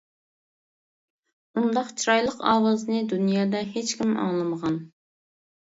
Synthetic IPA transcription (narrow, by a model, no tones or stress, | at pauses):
und̪ɑqt͡ʃʰiɾɑjlˠəqɑ̰ːwɑzɨnɨd̪unjɑːd̪ɛɦet͡ʃkʲimɑ̰ŋlˠɨməʁɑn